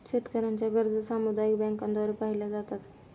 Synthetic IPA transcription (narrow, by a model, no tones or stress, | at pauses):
ɕet̪kəɾaɲt͡ɕjaɡəɾd͡zəsamud̪ajikbɛ̃ŋkand̪ɔɾepaɦilad͡zat̪at̪